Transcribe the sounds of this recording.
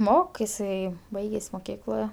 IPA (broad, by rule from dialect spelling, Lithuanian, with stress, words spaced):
ˈmoːk ɪˈsɐɪ ˈbɐɪɡʲeːsʲ moːˈkʲiːklˠoː